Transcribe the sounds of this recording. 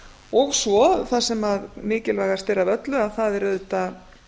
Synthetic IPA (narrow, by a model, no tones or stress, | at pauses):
ɔɣsvɔθaðsɛmaðmɪːcɪlvaːjɣḁst̪ɛɾavœt̪lʏaðθaðɛɾʏðt̪a